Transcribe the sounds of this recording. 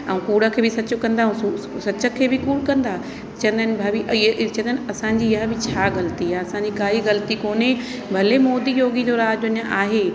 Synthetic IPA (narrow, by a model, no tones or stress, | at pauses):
ɐ̃ũkuːɽə̆kʰeːbɪsɐt͡ɕʊ̆kɐ̃nd̪aɦu | sɐt͡ɕə̆kʰeːbɪkuːɽkɐ̃nd̪a | t͡ɕɐ̃ə̃nd̪aːnɪ̆bʱaːbit͡ɕːnd̪aɪnɐsãɲ̆d͡ʑiːɦə̃bɪt͡ɕʰaːɣɐlt̪ijaɐsãɲd͡ʑikɡaːiɣɐlt̪ikoːne | bʱɐlemoːd̪ijoːɡid͡ʑoːɾaːd͡ʑʊnjə̃ʔaːɦeː